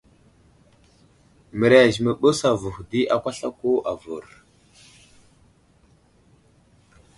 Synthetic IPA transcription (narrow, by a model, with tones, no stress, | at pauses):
mə˨ɾa˨ʒmə˨ɓə˦sa˨vu˨xdi˦ʔa˨kʷa˦ɬa˦ko˦ʔa˨vṵ˨ɾ